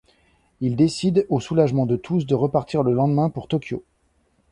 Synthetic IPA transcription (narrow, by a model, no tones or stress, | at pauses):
ild̪esid̪osulaʒmɑ̃d̪ət̪ʰusd̪əʁəpaʁt̪iʁləlɑ̃d̪mɛ̃puʁt̪ɔkʲjo̰